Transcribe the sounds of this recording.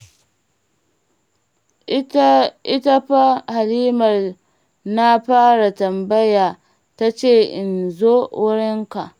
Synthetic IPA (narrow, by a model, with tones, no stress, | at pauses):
ʔɪ˦ta˦ɸa˦ha˨liː˦mɐ˨r | na˦ɸaː˦ɽa˨tɐ˨mbɐ˦jaː˨ | ta˦t͡ʃeː˦˨ʔɪ˨nzoː˦wʊ˦ɾɪ˦ŋka˨ʔ